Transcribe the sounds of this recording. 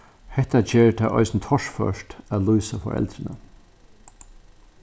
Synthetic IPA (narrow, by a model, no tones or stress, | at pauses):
hɛht̪ad͡ʒeːɹt̪ʰaʔɔ̰ɪsnt̪ʰɔʂfœ̰ʂtæːlujsafɔ̰ɾɛ̰lt̪ɾɪnə